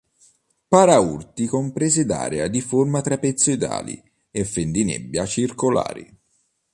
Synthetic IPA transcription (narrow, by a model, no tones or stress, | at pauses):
paɾaurt̪ikompɾɛːzɪd̪a̰ːɾead̪iformat̪ɾapet̪sːoid̪a̰ːlḭ | efːend̪inɛ̰bːjat͡ʃirkola̰ːɾḭ